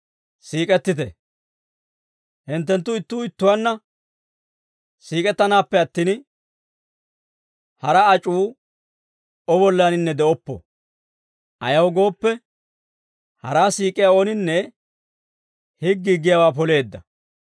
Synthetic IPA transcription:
siːkʼɛt̪ːɪt̪ɛ̰ | hɪnt̪ːɛnt̪ːʊɪt̪ːʊːɪt̪ːʊwanːɐ | siːkʼɛt̪ːɐnaːpːɛɐt̪ːiːn | hɐɾɐːt͡ʃʼuː | ɔbɔlːanɪnːɛd̪ɛɔpːɔ̰ | ʔɐjɐwɡo̞ːpːɛ | hɐ̰ɾaːsiːkʼɪjao̞ːnɪnːɛ | hɪɡːiɡːɪjawaːpɔle̞ːd̪ːɐ̰

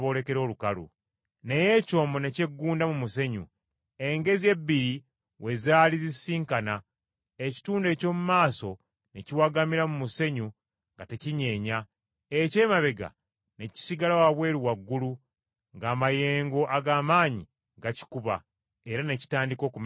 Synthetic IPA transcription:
βo̞ːle̞ke̞ɾo̞ːlukalṵ | nejeco̞ːmbo̞ne̞ce̞ɡːuːndamumuse̞ɲṵ | e̞ŋɡe̞zie̞bːiɾi | we̞zaːlizisiːŋkana | eci̥tuːnde̞ːco̞ːmumaːso̞ | ne̞ciwaɡamiɾamumuse̞ɲu | ŋɡate̞ciɲe̞ːɲa | ece̞ːmaβe̞ɡa̰ | ne̞ci̥siɡalawaβwe̞ːɾiwaɡːulu | ŋɡaːmaje̞ːŋɡo̞ʔaɡaːmaːɲḭ | ɡaci̥kuβa̰ | e̞ɾane̞ci̥taːndiko̞ːkum

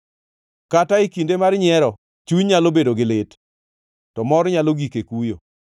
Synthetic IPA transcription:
kataikindemarɲɪɛɾɔ | t͡ʃuɲɲalobedoɡɪlɪt | tɔmɔɾɲaloɡikekujo̰

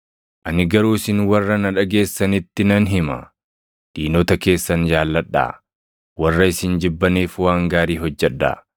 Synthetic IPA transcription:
ʔɐnɪɡɐɾuːɪsɪnwɐrːɐnɐᶑɐɡe̞ːsːɐnɪt̪ːɪnɐnɦɪmɐ̰ | d̪̥iːnɔːt̪ɐke̞ːsːɐnd͡ʒaːlːɐᶑːa̰ː | wɐrːɐɪsɪnd͡ʒɪbːɐneːfwaːŋɡaːɾiːɦɔd͡ʒːɛᶑːa̰ː

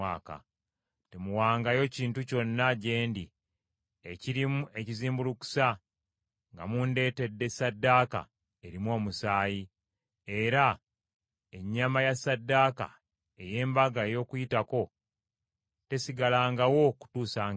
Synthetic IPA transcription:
aːka̰ | te̞muwaːŋɡajo̞ciːntuco̞nːaɟe̞ːndi | e̞ciɾimue̞ciziːmbuluku̥sa | ŋɡa̰munde̞ːte̞dːe̞sadːaːka̰ | e̞ɾimwo̞ːmusaːji | e̞ɾa | e̞ɲːamajasadːaːka̰ | e̞je̞ːmbaɡaejo̞ːkujitako̞ | te̞siɡalaːŋɡawo̞ku̥tuːsaːŋ

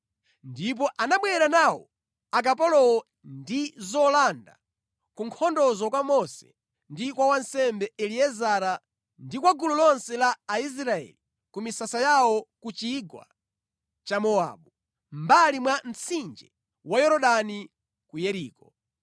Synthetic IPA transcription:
ndip̬ɔʔanaɓwɛɾanawɔ̰ | ak̬apɔlɔɔ | ndizɔlanda̰ | kuŋkʰɔndɔzɔkwamɔsɛ̥ | ndikwawansɛmbɛɛliɛzaɾa | ndikwaɡululɔnsɛlaːis̬ɾaɛ̰li | kumisasajawɔkut͡ʃiɡwa̰ | t͡ʃamɔa̰ɓu | mbalimwam̩t͡sʰind͡ʒɛ | wajɔɾɔɗani | kujɛɾiːkɔ

